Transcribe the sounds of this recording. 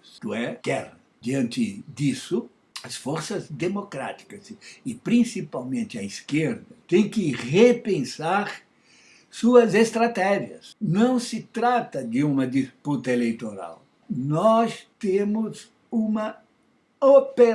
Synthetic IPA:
st̪uɛkɛɾɐɐd̪iɐ̃nt̪ɪd̪isʊ | ɐsfoɾsɐzd̪emokɾa̰t̪i̥kɐzɪpɾĩsipawmẽnt̪ɪɐiskeɾd̪ɐt̪ẽj̃kɪʁepẽsaɾ | suɐzest̪ɾat̪ɛʒiɐ̰snɐ̃w̃sɪt̪ɾat̪ɐd̪ɪũmɐd̪isput̪ɐelejt̪oɾa̰w | nɔst̪ẽmʊz | ũmɐ | opeɾ

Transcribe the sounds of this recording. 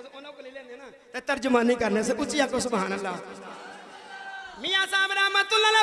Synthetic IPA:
ileːnena | t̪ɛːt̪əɾd͡ʒʊmãːnĩːkəɾnes̬eʔʊt͡ʃːijaːkosʊbʱaːñəlːaː | mijãːsaːmɾaːmãːt̪ʊlaːlaː

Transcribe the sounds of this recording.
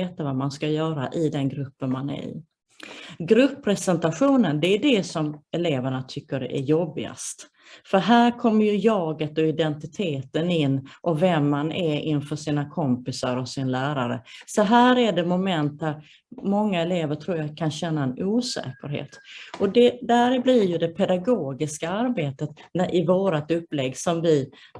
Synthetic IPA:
eːt̪avamanskajœːɾa̰ʔɪd̪ɛnɡɾɵpːənmanɛ̰ɾɪ̰ | ɡɾɵpʰːɾɛsɛnt̪aɧuːnənd̪ɛːɖɛsɔmɛleːvæɳat̪ʰʏkːəɖ̰ʔæ̰ɾjɔbːɪɡa̰st̪ | fœɾɦæːɾkʰɔmːəɾjɵjɑːɡət̪ɔɪd̪ɛnt̪ɪt̪ʰeːt̪ənɪnːʔɔvɛmːanʔɛɾɪnfœʂiːnakʰɔmpɪsaɾɔsɪnlæːɾaɾə̰sɔɦæːɾæɖɛmʊmɛnt̪̚d̪æɾ | mɔŋːaɛleːvəʈʰɾuːɾjakʰanɕɛnːaɛnuːsɛ̰ːkəɾɦḛːt̪ɔd̪ɛd̪æɾblɪɾjɵd̪ɛpʰɛd̪aɡoːɡɪskaaɾbeːt̪ət̪nʔɪvoːɾat̪ɵpːlɛɡːsɔmvɪ

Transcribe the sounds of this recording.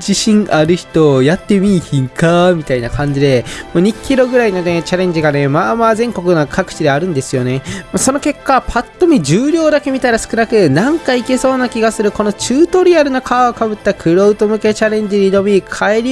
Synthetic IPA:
d͡ʑiɕĩŋaɾɯ̟çi̥t̪o̞jat̪ːe̞mʲiːçĩŋkamʲit̪ainakʰãɲ̟d͡ʑid̪e̞moɲ̟ikʲʰːiɾo̞ɡɯ̟ɾaino̞ne̞t͡ɕaɾẽ̞ɲ̟d͡ʑiɡane̞maːmaːzẽ̞ŋko̞kɯ̟nokʰakɯ̟̥t͡ɕid̪e̞aɾɯ̟̃nd̪e̞sɨjo̞ne̞maso̞no̞ke̞kːapʰat̪ːo̞mʲid͡ʑɨːɾʲo̞ːd̪ake̞mʲit̪aɾasɨ̥kɯ̟nakɯ̟nãŋkaike̞so̞ːnakʲiɡasɨɾɯ̟ko̞no̞t͡ɕɨːt̪o̞ɾʲiaɾɯ̟nokʰaːokabɯ̟t̪ːakʰɯ̟ɾo̞ɯt̪o̞mɯ̟ke̞t͡ɕaɾẽ̞ɲ̟d͡ʑiɲʲid̪o̞mʲikʰaeɾʲ

